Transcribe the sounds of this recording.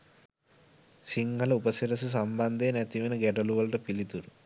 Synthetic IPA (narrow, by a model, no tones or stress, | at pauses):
siŋɡʱɐlɐupɐsiɾɐs̬us̬ɐmbɐnd̪ʱeːnet̪iʋinɐɡɛɖɐluʋɐlɐʈɐpilit̪uɾu